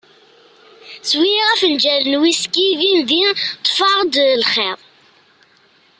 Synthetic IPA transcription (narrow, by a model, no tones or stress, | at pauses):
swiʁæfənd͡ʒælənwiskivinðit̪ˤːfɑʁd̪lχeðˤ